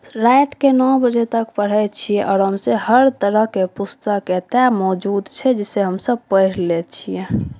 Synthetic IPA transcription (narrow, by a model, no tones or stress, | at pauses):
ɾajt̪kenɔbəd͡ʒɛt̪əkpəɽ̤ɛt͡ʃʰiɛʔɔːɾɦəmseɦəɾt̪əɾəɦkepust̪əkːet̪ɛmɔd͡ʒud̪t͡ʃʰɛd͡ʒɛseɦəmsəb̚pəjɾlet͡ʃʰijɛ̃